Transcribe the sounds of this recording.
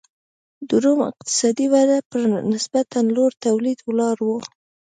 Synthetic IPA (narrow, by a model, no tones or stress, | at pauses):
d̪uɾumɪ̰q̚t̪ɪ̥sɑd̪iwad̪apəɾnɪsbat̪anloɾt̪awlid̪wlɑɾwo